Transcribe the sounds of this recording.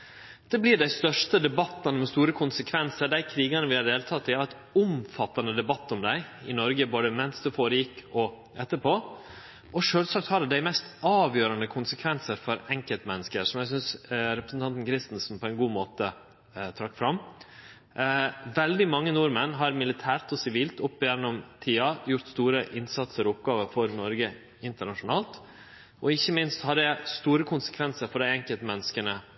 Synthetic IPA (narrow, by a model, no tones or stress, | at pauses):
d̪̥ɛblɪɖæɪst̪œʂʈəd̪ɛbɑt̪ːɑnəmɛst̪uːɾəkʰʊnsəkʰʋɛnsəɖæɪkʰɾiːɡɑnəʋɪhɑɾɖ̪eːlt̪ʰɑt̪ʰːɪɛt̪ | ʊmfɑt̪ːɑnəd̪ɛbɑt̪ːɔmd̪æɪɪnɔɾɡəboːd̪əmɛnsd̪ʉfoːɾəjɪkːɔ | ɛt̪ːəpʰoː | ʔɔʂøːlsɑk̚t̪hɑɖd̪æɪmɛst̪ɑːʋjøːɾɑnəkʰʊnsəkʰʋɛnsəɾfɔɾɛŋkəlt̪mɛnːəskəɾʂɔmjæɪsʏnsɾɛpɾəsn̩t̪ʰɑnt̪n̩kʰɾɪst̪n̩sn̩pʰɔɛnɡuːmoːt̪ə | t̪ʰɾɑkːfɾɑm | ʋɛld̪ɪmɑŋːənʊɾmənɦɑɾmɪlɪt̪ʰæːɾt̪ɔsɪʋiːlt̪ʊpːjɛnːɔmt̪ʰiːɑjʊɾt̪st̪uːɾəʔɪnsɑt̪səɾɔʊp̚ɡɑːʋəɾfɔɾnɔɾɡə | ɪnt̪əɳɑʂʊnɑːlt̪ | ʔɔɪçːəmɪnst̪hɑɾɛst̪uːɾəkʰʊnsə̥kʰʋɛnsəɾfɔɖæɪɛŋkəlt̪mɛnːəskənə